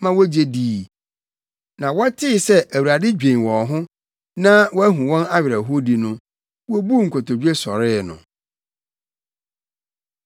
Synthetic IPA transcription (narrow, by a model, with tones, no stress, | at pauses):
mã˦wɔ˦d͡ʑe˦diː˨ | nã˨wɔ˦tʰɪ˦˨sɛ˦ʔæ˨wa˨dɪ˦d͡ʑᶣẽ˨wɔ̃˨ɦʊ̃˦ | nã˦wɔ˦æ˦ɦũ˨wɔ̃˦na˦ɥɪ˨ɾæ˨ɦo˦di˨nʊ̃˦ | wɔ˦bu˦ŋ̩˨kʰʊ˨tɔ˨d͡ʑᶣe˦sɔ˨ɾɪ˦nʊ̰̃˨